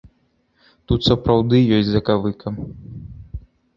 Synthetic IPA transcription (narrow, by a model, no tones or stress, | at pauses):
t̪ut̪sɐpɾawd̪ɨjɔsʲtʲzɐkavɨkʰɐm